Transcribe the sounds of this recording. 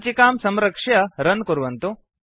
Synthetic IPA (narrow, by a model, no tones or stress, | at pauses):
t͡ʃikaːmsɐmɾɐkʂjɐɾɐnkuɾʋɐnt̪u